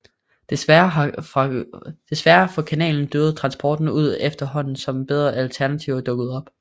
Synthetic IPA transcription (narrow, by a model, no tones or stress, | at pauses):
d̥e̝sʋæɐɦɑɑd̥e̝sʋæɐfɒ̽kʰænɛ̰ːln̩d̥øːð̩ˠt͡sʰʁɑ̈nsb̥ɒ̰ːd̥n̩uð̞̰ˠefd̥ɐɦɒ̽n̰n̩sɒ̽mb̥eð̞ˠʁɐʔælt͡sʰæɐnæt͡sʰiʊɐd̥ɔ̽ɡ̥ð̞̩ˠɒ̽b̥